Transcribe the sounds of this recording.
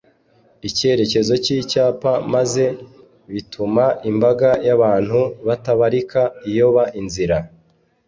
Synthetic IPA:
ice̞ɾe̞ce̞zo̞ciːcaːpamaze̞ | βitʰumaʔimbaɡajaβaːn̥huβataβaɾikaijo̞βaʔinziɾa

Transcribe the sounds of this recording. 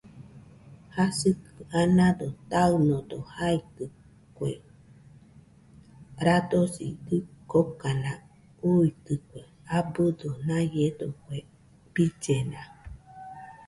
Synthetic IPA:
hasɨkɨanãd̪ot̪aɯnod̪ohait̪ɨ | kʷḛ | ɾad̪osḭd̪ɨkokanã | uit̪ɨkʷe | abɨd̪onãjed̪okʷe | b̥id͡ʒenã

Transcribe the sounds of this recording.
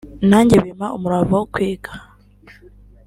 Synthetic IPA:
naːɲɟeβimaʔumuɾaβokwiːɡḁ

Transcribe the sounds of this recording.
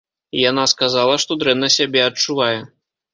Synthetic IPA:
ijanaskazalˠɐʂt̪ɔd̪ɾɛnːɐsʲabʲɛɐt͡ʂuvajɛ

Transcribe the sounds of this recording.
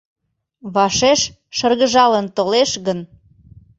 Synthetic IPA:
βɑʃeʃ | ʃərɣəʒɑlənt̪oleʃɣən

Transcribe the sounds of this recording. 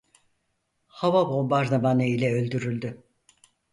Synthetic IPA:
havabo̞mbaɾd̪abaneilʲɛølʲd̪yɾylʲd̪y

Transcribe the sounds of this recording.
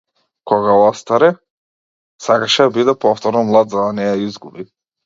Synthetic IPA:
kɔɡaɔst̪aɾɛ | sakaʃɛd̪abid̪ɛpɔft̪ɔɾnɔmlˠad̪zad̪anɛjaizɡubi

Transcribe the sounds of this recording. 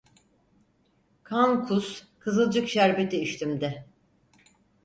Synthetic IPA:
kʰankʰuskʰɯzɯlˠd͡ʒɯkʃæɾbet̪ʰiːʃt̪ʰimd̪ɪ

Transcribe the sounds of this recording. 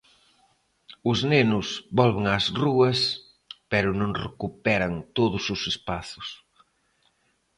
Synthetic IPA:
ʊznenʊsbɔlβɪŋazruɐs | pɛɾʊnõŋrekupɛɾɐŋt̪oðʊsʊsespaθʊ̥s

